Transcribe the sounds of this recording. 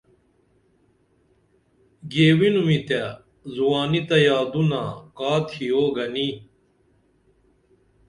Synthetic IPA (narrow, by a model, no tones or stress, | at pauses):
ɡeːwinumit̪a | zuwaːnit̪ɐjaːd̪unaːkaːt̪ʰioːɡɐni